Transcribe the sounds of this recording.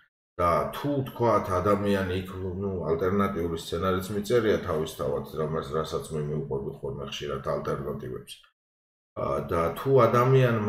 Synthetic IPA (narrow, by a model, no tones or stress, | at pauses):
d̪̥at̪ʰut̪ʰkʰwat̪ʰad̪amianiːkʰnualt̪ʼɛɾnat̪ʼiulist̪sʰɛnaɾit̪sʰmit̪sʼɛɾiat̪ʰavist̪ʰava̰t̪ʰɾamɛsɾasat̪sʰmɛmiuqʼwɛbiχɔɾmɛ̰χʃiɾat̪ʰalt̪ʼɛɾnat̪ʼivɛ̰ps | d̪at̪ʰuad̪amianm